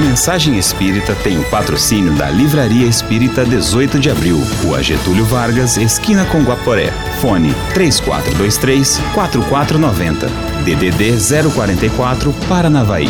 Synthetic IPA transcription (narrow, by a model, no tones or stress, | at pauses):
ɐmẽsaʒẽj̃espiɾit̪ɐt̪ẽj̃ʊpat̪ɾosinjʊd̪ɐ̰livɾaɾiɐespiɾit̪ɐd̪ezojt̪ʊd͡ʒɪabɾiwʊa̰ʒḛt̪uljʊvaɾɡɐzeskĩnɐkõɡwapoɾɛ̰ | fõnɪ̰t̪ɾeskwa̰t̪ɾʊd̪ojst̪ɾejskwat̪ɾʊkwat̪ɾʊnɔvẽnt̪ɐ̰ | d̪ed̪ed̪ezɛɾʊkwaɾẽnt̪ɐjkwat̪ɾʊpaɾɐnavaḭ